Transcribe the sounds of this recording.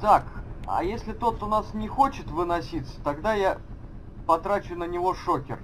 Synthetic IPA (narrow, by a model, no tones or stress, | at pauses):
t̪akɐ̰jesʲlʲɪt̪o̞t̪ʊnasnʲɪxot͡ɕɪt̪vɨnɐsʲit̪sə̥t̪ɐɡd̪aja | pɐt̪ɾat͡ɕʊʊnənʲɪvo̞ʂokʲɪ̰r